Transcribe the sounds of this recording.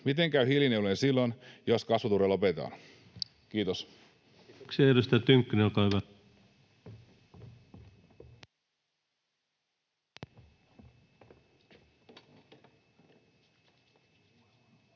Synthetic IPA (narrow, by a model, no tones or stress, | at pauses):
mit̪eŋkæyhiljineulensilːonjoskɑsʋut̪uɾelo̞pet̪ɑ̰ːn | kiːt̪os | kseeɾust̪æt̪yŋkːynekɑʋɑ